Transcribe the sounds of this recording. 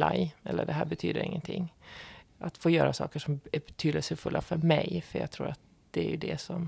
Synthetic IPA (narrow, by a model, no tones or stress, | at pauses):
lajʔɛlːəɖɛɦæːɾbɛt̪ʰyːd̪əɾɪ̰ŋːənt̪ʰɪŋː | ʔat̪foːjœːɾasɑ̰ːkəʂɔmæbɛt̪ʰyːd̪əsəfɵlːʔafœɾmɛjfœjɑ̰ːt̪ʰɾuːɾat̪̚ | d̪̥ɛæɾjɵd̪ɛsɔm